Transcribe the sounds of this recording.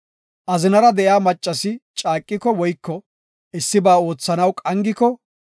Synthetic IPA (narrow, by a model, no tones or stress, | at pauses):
ʔɐzɪnɐɾɐd̪ɛʔjaːmɐt͡ʃʼːɐsɪt͡ʃʼaːkʼːɪkɔwɔjkːɔ | ʔɪsːɪbaːo̞ːt͡sːɐnɐwkʼɐŋɡɪkɔ